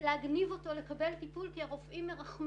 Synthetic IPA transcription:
leaɡnivo̞to̞le̞kabe̞lt̪ipulkiaʁofʔimːeʁaχm

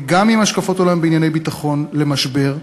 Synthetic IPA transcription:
ɡamimaʃkafo̞t̪olaimbeinjane̞jbitaχo̞nle̞maʃbe̞ʁ

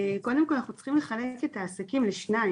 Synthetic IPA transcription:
ko̞d̪emkolanaχnut͡sχimle̞χaleke̞taːsakimleʃnai

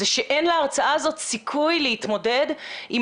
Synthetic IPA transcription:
eʃeʔe̞nleaʁt͡saazo̞t̪sikʰujlehit̪mo̞de̞di

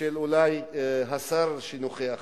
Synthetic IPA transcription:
elulajɦasaɾʃinuχea

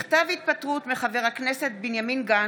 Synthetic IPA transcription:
χt̪avhit̪̚pat̪ʁut̪meχaveʁakneset̪̚binjaminɡa

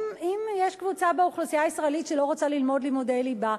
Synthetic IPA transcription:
imjeʃkvut͡sabeuχlosijaisʁaelitʃelo̞ʁot͡salilmo̞dlimodeliba

